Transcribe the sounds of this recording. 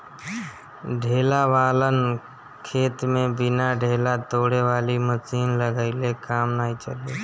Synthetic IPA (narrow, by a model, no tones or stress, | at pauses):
ɖʱeːlaʋaːlən | kʰeːt̪mẽbɪnaɖʱeːlat̪oːɽeʋaːlimət͡ʃiːnləɡəɪlekaːmnaːit͡ʃəle